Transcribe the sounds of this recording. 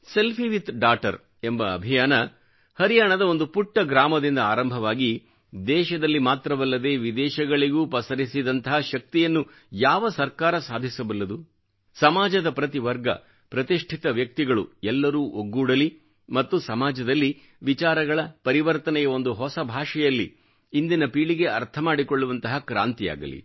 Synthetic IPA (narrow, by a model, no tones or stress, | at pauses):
se̞lpʰiʋit̪ɖaːʈɐ̰ɾ | embɐ̰ːbʱijaːnɐ | hɐɾijaːɳɐd̪ɐond̪upuʈːɐɡɾaːmɐd̪ind̪ɐaːɾɐmbʱɐʋaːɡi | d̪ɛːʃɐd̪ɐlːimaːt̪ɾɐʋɐlːɐd̪e̞ːʋid̪ɛːʃɐɡɐɭiɡuːpɐsɐɾisid̪ɐnt̪ɐɦaʃɐk̚t̪ijɐnːu | jaːʋɐsɐɾkaːɾɐsaːd̪ʱisɐbɐlːɐd̪u | sɐmaːd͡ʒɐd̪ɐpɾɐt̪iʋɐɾɡɐ̰ | pɾɐt̪iʂʈʰit̪ɐʋjɐk̚t̪iɡɐɭṵɛlːɐɾuːʔoɡːuːɽɐli | mɐt̪ːusɐmaːd͡ʒɐd̪ɐlːi | ʋit͡ʃaːɾɐɡɐɭɐpɐɾiʋɐɾt̪ɐnɛjɐo̞nd̪uɦɔsɐbʱaːʂɛjɐlːḭː | nd̪inɐpiːɭiɡe̞ɐɾt̪ʰɐmaːɽikoɭːuʋɐnt̪ɐɦɐkɾa̰ːnt̪ija̰ːɡɐ̰lḭ